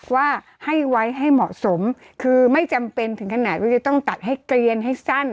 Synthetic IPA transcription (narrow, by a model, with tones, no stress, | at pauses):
waː˥˩ | ha˥˩jwa˦˥jɦa˥˩jmɔ̰˨˩ʔso˩˦m | kʰɯː˧ma˥˩jt͡ɕa˧mpe˧nt̪ʰɯ˩˦ŋkʰa˧naː˨˩t̪̚waː˥˩t͡ɕa˨˧˩t̪ɔ˥˩ŋt̪a˨˩t̪̚ɦa˥˩jkɾi˧ənɦa˥˩jsa˥˩n